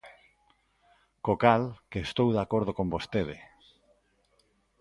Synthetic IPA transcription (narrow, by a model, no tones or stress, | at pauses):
kokalkeːst̪owðakoɾð̞okombost̪eðe